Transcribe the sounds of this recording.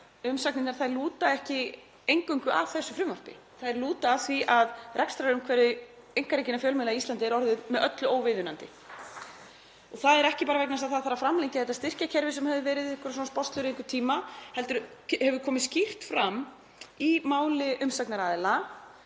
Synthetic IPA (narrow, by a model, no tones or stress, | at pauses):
ʏmsak̚nɪnaɾθaɛɾluːt̪aɛhcɪ | ejŋkʏŋkʏʔa̰v̥θɛsːʏfɾʏmvar̥pɪ̰ | θaðɛɾluːt̪aːθviʔaðrʔɛknst̪ɾaɾʏmkʰvɛɾɪ | ejŋkaɾecɪnafjœːlmɛlaist̪lant̪ɪɛɾɔɾðɪðmɛðʔœt̪lʏoːwvɪðʏnant̪ɪ | ɔɣθaðɛɾɛhcɪpaːɾavɛknast̪aðθaðθaɾːafɾamlejɲcɪaɛt̪ːast̪ɪr̥cacʰɛɾvɪsɛmhɛvðʏvɛːɾɪðɪhkɔɾsɔnspɔst̪lʏɾejŋkʏɾ̥t̪ʰiːmahɛlt̪ʏɾhɛvʏɾkʰɔːmɪðscir̥t̪fɾamː | imaːwlɪʔʏmsaknaɾaðɪla